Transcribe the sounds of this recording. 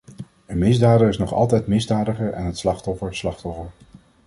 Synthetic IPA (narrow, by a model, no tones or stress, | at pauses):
ənmɪzdaːdəɪsnɔχɑ̰lˠtɛjtmɪzdaːdəχəɹɛ̰nɦətslɑχtɔfəɹslɑχtɔfəɹ